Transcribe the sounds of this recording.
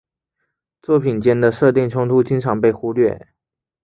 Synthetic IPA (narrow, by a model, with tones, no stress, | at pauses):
t͡swɔ˥˩pʰi˨˩nt͡ɕjɛ˥nd̪ə˨ʂɤ˥˧t̪jɛ˥˩nʈ͡ʂʰʊ˥ŋt̪ʰu˥t͡ɕi˥ŋʈ͡ʂʰɑ˨˥ŋpe˥˩ɪxu˥lɥɛ̰˥˩